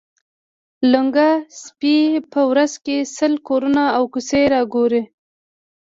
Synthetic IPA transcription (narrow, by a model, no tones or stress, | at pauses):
lʊŋɡaspipəwɾazkesəlkoɾunaːwkuseɾɑɡoɾe